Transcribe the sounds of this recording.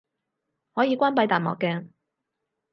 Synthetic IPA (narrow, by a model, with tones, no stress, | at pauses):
hɔː˨˥jiː˨˧kʷaː˥npɐ˨˥jt̪aː˨nmɔ̰˨kːɛː˧